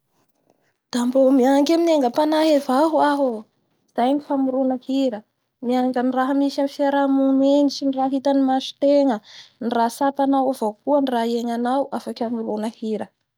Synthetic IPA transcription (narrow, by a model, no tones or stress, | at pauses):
d̪̥ambomiaŋɡemineŋɡəpanaɦevaɦuaɦo | iz̥ajɲifamuɾunəhiɾə | miaŋɡaniraɦəmisanifiaɾamuŋmenit͡ʃiniraɦit̪animaʃi̥t̪eŋənirasapanawavokuənraeŋanawʔafakʲamuɾunəhiɾə